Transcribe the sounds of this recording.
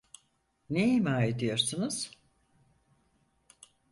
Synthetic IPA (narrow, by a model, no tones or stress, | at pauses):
neimaːed̪ijo̞ɾsunuz̥